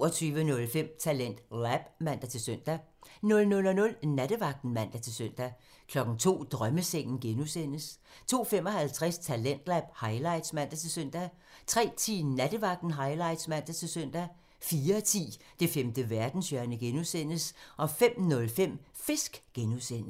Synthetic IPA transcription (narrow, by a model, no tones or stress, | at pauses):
ɒt͡sʰyːʋənɔ̽lfem̰t͡sʰælen̰d̥læb̥mæn̰d̥æt͡sʰe̝lsøn̰d̥ænɔ̽lnɔ̽lɒnɔ̽lnæɾ̥əʋɑ̈ɡ̥̚d̥n̩mæn̰d̥æt͡sʰe̝lsøn̰d̥æ | kʰlɒ̽ɡ̥ŋ̩t͡sʰo̝̰ːd̥ʁɶməseŋ̰n̩ɡ̥enusen̰əst͡sʰo̝̰ːfemɒ̽hælt͡sʰʁɛst͡sʰælen̰d̥læb̥̚hɑ̈ɪlɑ̈ɪd̥smæn̰d̥æt͡sʰe̝lsøn̰d̥æ | t͡sʰʁɛ̰ːt͡sʰḭːnæd̥əʋɑ̈ɡ̥̚d̥n̩ɦɑ̈ɪlɑ̈ɪ̰d̥smæn̰d̥æt͡sʰe̝lsœn̰d̥æ | fiːɐt͡sʰḭː | d̥e̝femd̥əʋæɐd̥n̩sjœɐnəɡ̥enusen̰əsʔɒ̽fem̰nɔ̽lfem̰fe̝sɡ̥ɡ̥enusen̰